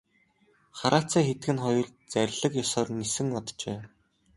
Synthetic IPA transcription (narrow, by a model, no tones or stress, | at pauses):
χaɾʔaːt͡sæːxet̪ɘ̆ɡɘ̆nχɔjɞ̆ɮt͡sæɾʲɮə̆kjɔsɔːrnisɘ̆ŋɔt̪t͡ɕeː